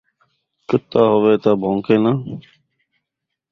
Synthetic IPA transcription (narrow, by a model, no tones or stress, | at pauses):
kət̪ːaːɦoʋeːt̪aːbʱõːŋkeːnaː